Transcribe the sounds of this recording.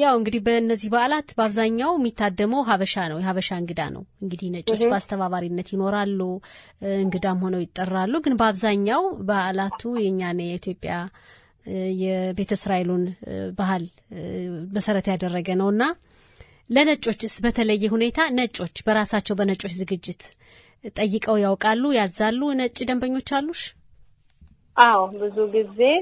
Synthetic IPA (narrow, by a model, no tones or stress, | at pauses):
jawɨŋɡɨd̪ihbəɨnːəzːihbaʔlat̪bəaβzaɲːawjmːit̪ʰːad̪ːəməwɦaβəʃanəwjɛɦaβəʃaɨŋɡɨd̪a̰nʔə̰wɨŋɡɨd̪ihnət͡ʃʼo̞t͡ʃːbəast̪ʰəβaβaɾinːət̪jɪno̞ɾalːuɨŋɡɨd̪amho̞nəwjɪt̪ʼːərːalːuɡɨnbəaβzaɲːawbəaʔlat̪ʰujɛɨɲːanəjɛit̪jo̞pʼːja | jɛbe̞t̪ʰəsɾaelunbahɨl | məsəɾət̪jad̪ərːəɡənəwɨnːa | lənət͡ʃʼo̞t͡ʃːɨsbət̪ʰələjːɛɦune̞t̪ʰanət͡ʃʼːo̞t͡ʃːbəɾasat͡ʃːɛwbənət͡ʃʼo̞t͡ʃːzɨɡɨd͡ʒːɪt̪ | t̪ʼəjːɨkʼəwjawkʼalːujalzalːunət͡ʃʼːid̪əmbəɲːo̞t͡ʃːalːuʃ | ʔawbɨzuɡize̞